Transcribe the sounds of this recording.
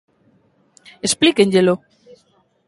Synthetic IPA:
esplikeɲʎelo

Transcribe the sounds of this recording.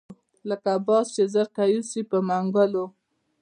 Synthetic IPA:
ləkabɑst͡ʃezəɾkajusipəmaŋɡəlo

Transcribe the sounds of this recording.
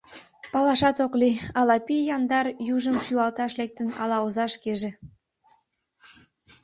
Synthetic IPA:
pɑlɑʃɑt̪okliɑlɑpijɑnd̪ɑrjuʒəmʃyɑlt̪ɑʃlek̚t̪ənɑ̰lɑozɑʃkeʒe

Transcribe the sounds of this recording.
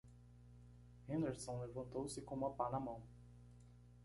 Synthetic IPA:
hẽnd̪eɾsõlevɐ̃nt̪owsɪkõmɐpanɐmɐ̃w̃

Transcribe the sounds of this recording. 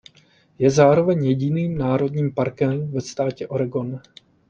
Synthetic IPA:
jɛzaːɾo̞vɛɲjɛɟɪniːmnaːɾo̞dɲiːmpaɾkɛmvɛst̪aːcɛʔo̞ɾɛɡo̞n

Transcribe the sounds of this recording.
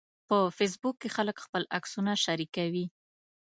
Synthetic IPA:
pəfes̬bukːexaləkxpəlaksunaʃaɾikawi

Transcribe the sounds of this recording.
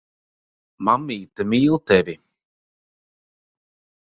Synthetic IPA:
mamːiːt̪ɨmiːlˠt̪ɛvʲi

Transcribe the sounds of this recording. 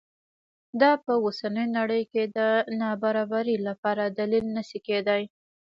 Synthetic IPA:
d̪ɑpəwosanəjnaɽəjked̪ənɑbaɾɑbaɾilapɑɾad̪alilnəʃiked̪aj

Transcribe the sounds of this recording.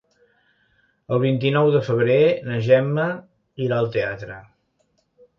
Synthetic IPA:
əlˠβ̞int̪inɔwðəfəβ̞ɾenəʒɛmːə | iɾaəlˠt̪eat̪ɾə

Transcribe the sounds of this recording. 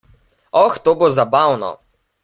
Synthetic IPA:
ɔxt̪oːbozabawnɔ̰

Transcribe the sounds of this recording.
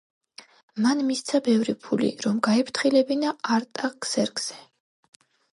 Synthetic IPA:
manmist̪sʰabɛvɾipʰulḭɾɔmɡaɛpʰɾt̪ʰχilɛbinaaɾt̪ʼaɡz̥ɛɾɡz̥ɛ

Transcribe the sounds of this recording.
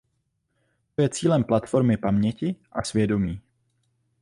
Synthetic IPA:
t̪ojɛt͡siːlɛmplat̪fo̞ɾmɪpamɲɛcɪʔasvjɛdo̞miː

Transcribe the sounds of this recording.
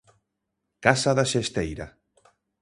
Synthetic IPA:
kasaðaʃest̪ejɾa̰

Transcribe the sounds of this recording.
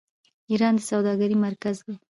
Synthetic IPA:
iɾɑnd̪əsawd̪ɑɡaɾimaɾkazwa

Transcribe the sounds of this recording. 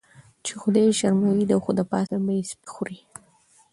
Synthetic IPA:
t͡ʃexʊd̪ajʃaɾmawid̪awxʊd̪apɑ̰sabaispi̥xuɾi

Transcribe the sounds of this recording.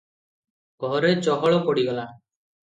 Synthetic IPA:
ɡ̥ɔɾet͡ʃɔɦɔɭɔkɔɽiɡɔla

